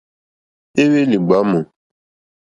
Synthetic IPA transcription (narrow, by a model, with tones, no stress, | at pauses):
e˦we˦li˨ɡ͡ba˨˦mũ˨